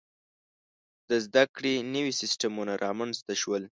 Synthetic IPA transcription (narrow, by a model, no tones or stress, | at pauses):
d̪̥əzd̪akɽenəwisɪsʈamunaɾʔɑmanzt̪aʃwəl